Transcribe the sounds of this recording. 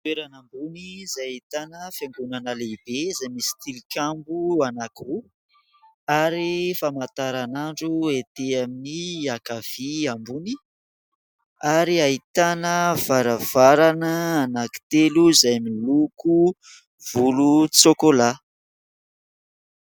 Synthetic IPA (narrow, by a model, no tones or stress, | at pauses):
t̪weɾanambunizajit̪anəfjeŋɡunanəlebezajmisi̥t̪ilikʲambuanaku | aɾifamat̪aɾanaɳɖ͡ʐuet̪eaminiakav̥iambuni | aɾiait̪anəv̥aɾəv̥aɾanəanaki̥t̪eluzajminluku | vulut͡sokola